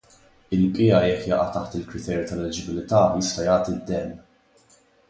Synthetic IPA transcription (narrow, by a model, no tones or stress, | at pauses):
ɪlpʼɪjɐjɛkːjɐːʔɐt̪ɐħt̪ɪlkɾɪt̪ɛːɾjut̪ɐlːɛd͡ʒɪbɪlɪt̪ɐːjɪst̪ɐjɐːt̪id̪ːɛnː